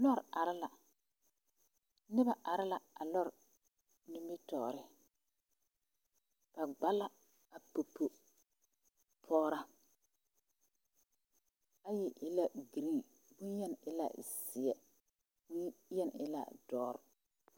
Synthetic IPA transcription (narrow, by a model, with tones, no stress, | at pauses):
lɔ˦˨ɾa˨ɾɪ˦la˨ | nɪ˦ba˨ʔa˨ɾɪ˦la˨a˨lɔ˦ɾ | nu˦mbi˦tɔː˨ɾɪ˦ | ka˨ɡ͡ba˦la˦ | a˨po˨po˨ | pʰɔː˦ɾa˦ | a˦jɪ˨ʔɪ˨la˦ɡi˨ɾi˦˨ | bʊ˦jɛ˦n˨ɪ˨la̰˦sɪ˨ɛ˨ | bʊ˦jɛ˦n˨ɪ̰˨la̰˦˨dɔː˦ɾ